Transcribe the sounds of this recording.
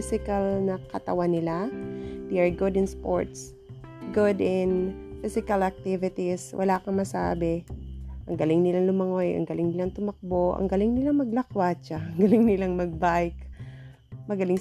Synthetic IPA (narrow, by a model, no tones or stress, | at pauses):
sɪkɐlnɐkɐt̪ɐwanɪlad̪ɛɐɹɡʊd̪ɪ̃nspo̰ɹt̪s | ɡʊd̪ɪnfɪsɪkɐlɐk̚t̪ɪvɪt̪iswʔɐ̰laːkɐŋmɐsa̰ːbɛʔɐŋɡɐlɪŋnɪlaŋlʊmɐŋojʔɐ̰ŋɡɐlɪŋnɪlaŋt̪ʊmɐk̚boʔɐ̰ŋɡɐlɪŋnɪlaŋmɐɡ̚lɐkwat͡ʃaɐŋɡɐlɪŋnɪlaŋmɐɡ̚bajk | mɐɡɐlɪŋ